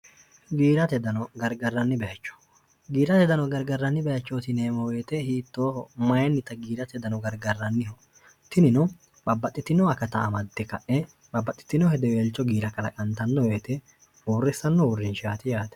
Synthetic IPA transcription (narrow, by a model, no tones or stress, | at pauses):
ɡiːɾɐt̪ɛd̪ɐnɔɡɐɾɡɐrːɐnːɪbɛɐt͡ʃːɔ̥ | ɡiːɾɐt̪ɛd̪ɐnɔɡɐɾɡɐrːɐnːɪbɛjɐt͡ʃːoːt̪ɪneːmɔweːt̪ɛhiːt̪ːoːhɔmɐjɐnːɪt̪ːɐɡiːɾɐt̪ɛd̪ɐnɔɡɐɾɡɐrːɐnːɪhɔ | t̪ɪnɪnɔ | bɐbːɐt̪ʼːɪt̪ːɪnɔɐkɐt̪ɐːmɐd̪ːɛkɐʔɛ | bɐbːɐt̪ʼːɪ̥t̪ːɪnɔhɛd̪ɛweːlt͡ʃːɔɡiːɾɐkɐlɐ̰kʼɐnt̪ɐnːɔweːt̪ɛ | oːrːɛsːɐnːɔʊrːɪnʃaːt̪ɪjaːt̪ɛ̥